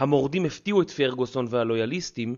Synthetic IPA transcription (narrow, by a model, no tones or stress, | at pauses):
hamo̞ʁd̪imeftiuet̪feʁɡoso̞nvehalo̞jalistim